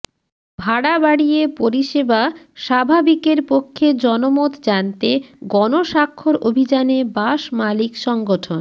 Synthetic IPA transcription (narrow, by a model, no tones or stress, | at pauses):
bʱaɽabaɽijepoɾiʃeba | ʃabʱabikeɾpokʰːed͡ʑɔnomot̪d͡ʑant̪eɡɔnoʃakʰːoɾobʱid͡ʑanebaʃmalikʃɔŋɡoʈʰon